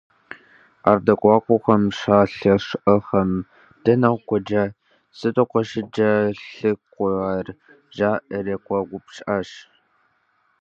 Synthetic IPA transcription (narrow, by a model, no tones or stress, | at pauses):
a̰ːrdɐkʷʼɑːkʷʼʊxɐmʂaːɬɐʂʔɐxɐm | d̥ɐnɐwʷkʷɔd͡ʒɐ | sɨtʼɐqʷɔʃɪd͡ʒɐɬɨkʷʊaːr | ʒaːʔɐrɐkʷɔɡʷʊpɕʼʔaʃ